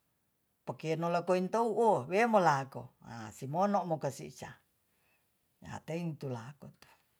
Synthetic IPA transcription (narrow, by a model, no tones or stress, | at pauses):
pakenolakoint̪ouʔowemolakoa̰simonoʔmokasḭt͡ʃa | ja̰t̪eint̪ulakot̪u̥